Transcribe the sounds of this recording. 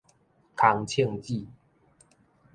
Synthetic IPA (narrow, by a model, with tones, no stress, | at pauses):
kʰa˨˦ŋt͡ɕʰjə˥˨ŋt͡ɕi˥˨